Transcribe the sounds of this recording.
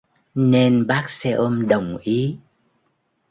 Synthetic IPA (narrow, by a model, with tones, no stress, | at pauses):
ne˧nɓaː˦˥k̚sɛ˧ʔo˧mɗə˨˩wŋ͡mʔi˨˦